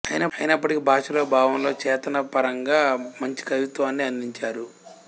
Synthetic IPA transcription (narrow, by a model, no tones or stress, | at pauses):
ɐjinɐɐjinɐpːɐʈikibʱaːʂɐloːbʱaːʋɐnlo̞ːt͡ʃɛːt̪ɐnɐpɐɾɐŋɡaːmɐɲt͡ʃi̥kɐʋit̪ʋaːnːiɐnd̪iɲt͡ʃaːɾu